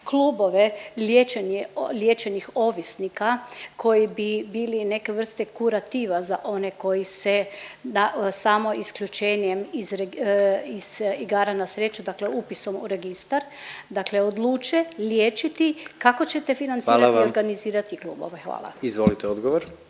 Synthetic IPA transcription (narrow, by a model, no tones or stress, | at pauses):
kluːboʋeljeːt͡ʃenelʲjeːt͡ʃenixo̞ʋisnikakʰo̞jibibiːline̞keʋr̩st̪ekuɾat̪iːʋazaʔo̞ne̞ko̞jisenasaːmo̞iskʎut͡ʃeːnemizɾeiz̥iɡaːɾanasɾet͡ʃud̪akleupiso̞mṵɾe̞ɡist̪aɾ | d̪akle̞od̪lˠuːt͡ʃeljeːt͡ʃit̪ikako̞t͡ɕet̪e̞finant̪ːlaoɾɡaniziːɾat̪iklṵːbo̰ʋexʋa̰ːla̰izʋolit̪eod̪ɡoʋoɾ